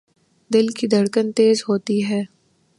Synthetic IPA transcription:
d̪ɪlkid̪ɐɽkənt̪eːzɦoːt̪iɦɛː

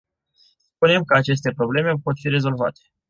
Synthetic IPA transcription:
spunemkəat͡ʃe̞s̬t̪e̞pɾo̞ble̞me̞po̞t̪fiɾe̞zo̞lva̰t̪e̥

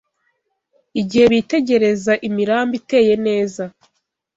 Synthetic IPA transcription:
iɟihe̞βite̞ɟe̞ɾe̞zaʔimiɾaːmbite̞ːje̞ne̞ːza

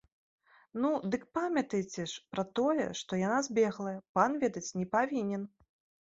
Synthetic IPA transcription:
nud̪ɨk̚pamʲɐt̪ɐjt͡sʲɛʂpɾɐt̪ɔjɛ̰ʂt̪ɔjanazʲbʲɛɣlˠɐjɛpanvʲɛd̪ɐt͡sʲnʲɛpavʲinʲɛn

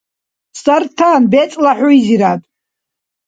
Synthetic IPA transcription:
sart̪ʰanbet͡sʼlaħʷʊiziɾatʼ

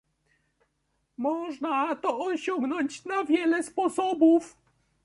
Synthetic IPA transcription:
mɔʐnat̪ɔːɕɔŋɡnɔɲt͡ɕnavʲjɛlɛspɔsɔbuf

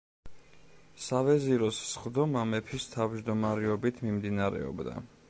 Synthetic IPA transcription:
savɛziɾɔssχd̪ɔmamɛpʰist̪ʰavd͡ʒd̪ɔmaɾɛɔbit̪ʰmimd̪inaɾɛ̰ɔ̰bd̪a̰

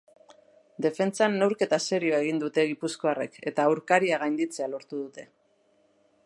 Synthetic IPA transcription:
d̪e̞fe̞nt͡sanːe̞wɾke̞t̪ase̞ɾio̞e̞ɣ̞ind̪ut̪e̞ɣ̞ipusko̞are̞ke̞t̪aːwɾkaɾiaɣ̞ajnd̪it͡se̞alo̞ɾt̪uðut̪e̞

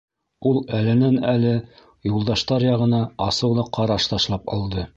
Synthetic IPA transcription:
ulˠælɘ̆nænælɘ | julˠd̪ɑʃt̪ɑɾjɑʁɤ̆nɑɑsɤ̆wlˠɤqʰɑɾɑʃt̪ɑʃlˠɑpɑ̰lˠd̪ɤ

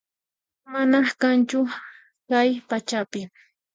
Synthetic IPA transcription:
manakant͡ʃʊ | kajpat͡ʃapɪ

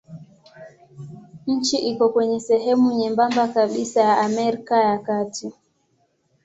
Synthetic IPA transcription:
ɲ̩t͡ʃiʔikɔkwɛɲɛsɛɦɛmuɲɛmbambakaɓisajaamɛɾikajakatʰi

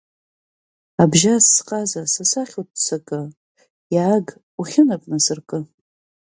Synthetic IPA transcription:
abʒasːqʼazasasaχʲutsakʼɨ | jaːɡ | uχʲɪnapʼnɨsɨrkʼɨ

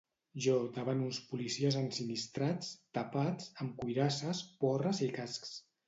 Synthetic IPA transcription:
ʒɔd̪əβanunspulisiəzənsinist̪ɾat͡st̪apat͡səmkujɾasəspɔrəzikasks

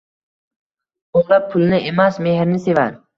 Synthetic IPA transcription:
oʁlˠap̚pʰʊlˠnɪemasme̞hɾnɪse̞vaɾ

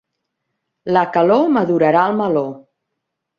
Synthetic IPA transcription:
ləkəloməðuɾəɾaəlˠməlo

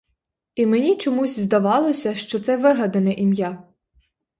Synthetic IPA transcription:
imenʲit͡ʃɔmuzʲzd̪ɐʋɑlˠɔsʲɐʃt͡ʃɔt̪sɛʋɪɦɐd̪ɐnɛʔimja

